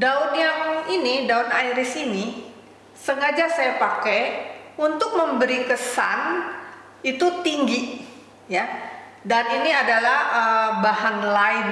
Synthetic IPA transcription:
daʊnjaŋinidaʊnaiɾɪsini | səŋad͡ʒasajapakɛunt̪ʊk̚məmbəɾikəsan | it̪ut̪iŋɡi | ja | daniniadalahəbaɦanlaɪn

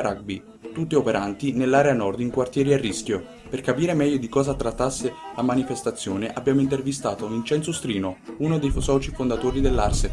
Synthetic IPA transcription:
ɾaɡ̚bi | t̪ut̪ːiopeɾʔant̪inelːaːɾeanɔrd̪iŋkwart̪jɛːɾiarːiskjo | perkapiːɾemɛʎːod̪ikɔːzat̪ɾat̪ːasːelamanifest̪at̪sːjoːneʔabːjaːmoint̪ervist̪aːt̪ounint͡ʃɛnt̪sost̪ɾiːnounod̪ejfsɔːt͡ʃifond̪at̪oːɾid̪elːarse

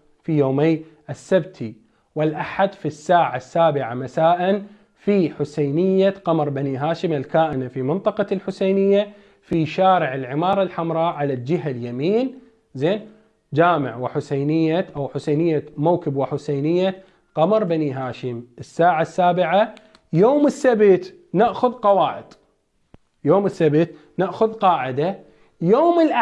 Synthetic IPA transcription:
fijoːmej | ʔɪsːabt̪ʰi | wɪlʔaħad̪fisːaːʕasːaːbɪʕamasaːʔɪn | fiħʊsajnɪjːaqɑmɾˤbaniɦaːʃɪmɪlkaːʔɪnafimɪnt̪ˤɑqɑlħʊsejnɪjːa | fiʃaːɾɪʕɪlʕɪmɑːɾˤɑlħamɾˤɑʕalald͡ʒɪɦaljamiːn | zeːn | d͡ʒaːmɪʕwɪħʊsajnɪjːaʔawħʊsajnɪjːamawkɪbwɪħʊsaːnɪjːa | qɑmɑɾˤbaniɦaːʃɪmʔɪsːaːʕasːaːbɪʕa | joːmɪsːabt̪ | naʔxʊðqɑwaːʕɪd̪̥ | joːmɪsːabt̪ | naʔxʊðqɑːʕɪd̪a | joːmɪlʔa

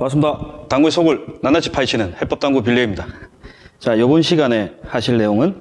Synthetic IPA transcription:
maɭs͈ʰɯmdataŋɡuesʰoɡɯɭnanat͡ɕʰipʰaiɕʰinɯnhep͈ʌp̚t͈aŋɡup̬jiɭːeimɲida | t͡ɕajobunɕʰiɡane̞haɕʰiɭne̞joŋɯn

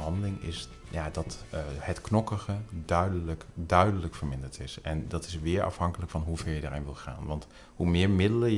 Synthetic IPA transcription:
ɦɑndəlɪŋɪ̰s | jadɑthətknɔkəɣədœɥdələkdœɥdələkfəɹmɪndəɹtɪsɛndɑtɪsʋɪːɹʔɑ̰fɦɑŋkələkfɑnɦuv̥ɛɹjəda̰ːɹɪ̰nʋɪlˠχa̰ːnʋɑnt | humɪːɹmɪdələ

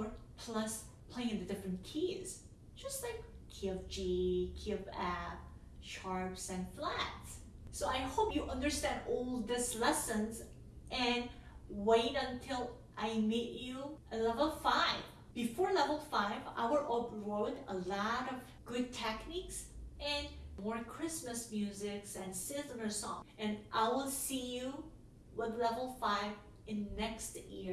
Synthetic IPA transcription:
pʰl̥ʌs | pʰl̥eɪ̃ŋ̃ɨ̃ndɨdɪfɹɨ̃nkʰiz̥ | d͡ʒʌstlaɪkkʰiʌvd͡ʒikʰiʌvɛf | ʃɑɹpsɨ̃nflætsː | oʊaɪhoʊpjɨʔʌ̃ndə˞stæ̃ndɔlˠðɪslɛsə̃nz | ʔɨ̃nweɪɾə̃ntʰɪlˠ | ʔaɪmet͡ʃuʔəlɛvl̩ˠfaɪv | b̥ifɔɹlɛvl̩ˠfaɪva̰ɪwə˞ʔopɹoʊdəlɔɾʌv | ɡ̥ʊd̚tʰɛkniksʔɨ̃nmɔɹkʰɹ̥ɪsməsmjʉzɪksɨ̃nsɪnələ˞sɔ̰̃ŋɨ̃nʔaɪwɪlˠsiju | wɪðlɛvl̩ˠfaɪv | ɪ̃nːɛkstjɪ

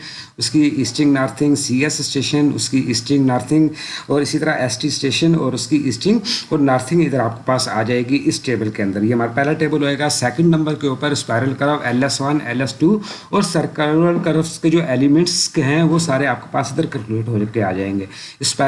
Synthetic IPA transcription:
ʊskiiːsʈɪ̃ŋɡnaːɾt̪ʰɪ̃ŋɡsiːɛsːʈeːʃənʊ̰skiʔiːsʈɪ̃ŋɡnaːɾt̪ʰɪ̃ŋɡɔːɾɪsit̪ɐɾaʔɛːsʈisʈeːʃənɔːɾʊskiʔiːsʈɪ̃ŋɡɔːɾnaːɾt̪ʰɪ̃ŋɡɪd̪əɾaːp̚ke̥paːsa̰ːd͡ʒaːeːɡiʔɪsʈeːbəlkeɐ̃nd̪əɾjeɦɐmaːɾapɛɦlaʈeːbəlɦoːeːɡasɛːkə̃ɳɖnɐ̃mbəɾkeʊːpəɾɪspaːɪɾəlkɐɾəʋɛːlɛsʋɐnɛ̰ːlɛsʈuː | ɔːɾsɐɾkəɾəlkɐɾəfsked͡ʒoːʔɛːlimɛ̃ɳʈskeɦɛ̃ʋoːsaːɾeaːp̚ke̥paːsɪd̪əɾkɐ̃nkluːɖɦoːkeaːd͡ʒaːẽːŋɡeːɪspa

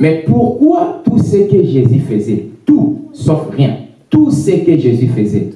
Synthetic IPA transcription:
mɛpuʁkwat̪usəkəʒezyfəzɛt̪usɔfʁjɛ̃ | t̪usəkəʒezyfəzɛ

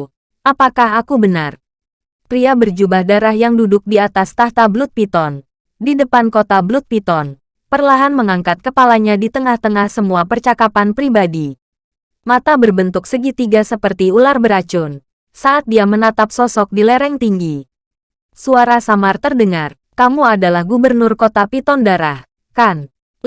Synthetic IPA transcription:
ʔapakaɦakubənar | p̪ɾiabərd͡ʒubahdaɾahjaŋdudʊk̚diat̪ast̪aht̪ablʊt̪̚pit̪ɔn | didəpankot̪ablʊt̪̚pit̪ɔn | pərlaɦanməŋaŋkat̪̚kəpalaɲadit̪əŋaht̪əŋahsəmuapərt͡ʃakapanpɾibadi | mat̪abərbənt̪ʊksəɡit̪iɡasəpərt̪iularbəɾat͡ʃʊn | saʔːt̪̚diamənat̪ap̚sɔsɔk̚dilɛɾɛŋt̪iŋɡi | suaɾasamart̪ərdəŋar | kamuadalahɡubərnʊrkot̪apit̪ɔndaɾah | kan

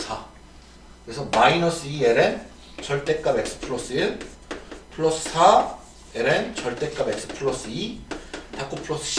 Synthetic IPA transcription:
sʰa | kɯɾesʰʌmainʌs͈ɯieɾen | t͡ɕʌɭt͈e̞k͈ame̞k̚s͈ʰɯ̥pʰɯɭos͈ɯɯn | pʰɯɭʌs͈ɯ̥sʰa | eɾent͡ɕʌɭt͈e̞k͈ame̞k̚s͈ʰɯ̥pʰɯɭːʌs͈ɯitak͈opʰɯɭʌs͈ɯ̥

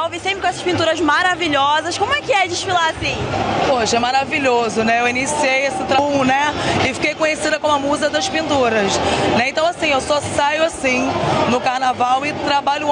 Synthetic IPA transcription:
awvesẽpɾɪkõɛsɐ̥ʃpĩnt̪uɾɐzmaɾaviʎɔzɐʃkõmʊɛkɪɛd͡ʒɪʃfilaasĩpoʃɐɛmaɾaviʎozʊnɛewinisiejesɪt̪ɾãnɛɪfi̥kejkõɲesid̪ɐkõm̃ɐmuzɐd̪ɐʃpĩnt̪uɾɐsnɛẽnt̪ɐ̃w̃asĩewsɔsajʊasĩnʊkahnavawɪt̪ɾabaʎʊ

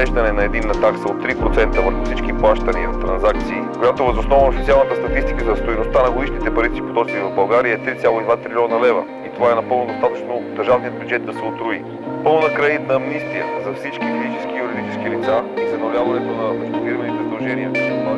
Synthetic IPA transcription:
ɛʒd̪ɐnɛnɐɛd̪inːɐt̪aksəot̪ːɾipɾot̪sɛnt̪əvəɾxofsit͡ʃkiplˠaʃt̪ənivɐt̪ɾɐnzak̚t̪siːkojat̪ovəzosnɔvnofit̪sʲialˠnət̪əst̪ɐt̪ist̪ikəzɐst̪ojnost̪anɐɡod̪iʃnit̪ɛpɐɾit̪sipot̪ɔt͡ʃt̪ivɐvbɐlˠɡaɾiəɛt̪ɾit̪sʲalˠoid̪vat̪ɾilʲɔnɐlɛvə̰ | it̪ovaɛnɐpɤlˠnod̪ost̪at̪ət͡ʃnod̪əɾʒavnijəd̪̚bʲjud͡ʒɛt̪̚d̪ɐsɛot̪ɾui | pəlˠnɐkɾait̪nɐːmnist̪ijə̰zɐfsit͡ʃkipid̪it͡ʃɛskijuɾid̪it͡ʃɛ̥skilit̪sasɛnolʲjavɐnɛt̪onɐpost̪iviɾvənit̪ɛzɐd̪ɐlˠʒɛniə

